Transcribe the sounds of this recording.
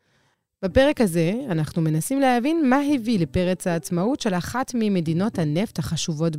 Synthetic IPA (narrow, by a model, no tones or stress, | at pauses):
b̥epe̞ʁe̞khaze̞anaχnume̞nasimleɦavinmaɦivilepe̞ʁet͡shaːt͡smautʃe̞laχatmime̞dino̞thane̞fthaχaʃuvo̞t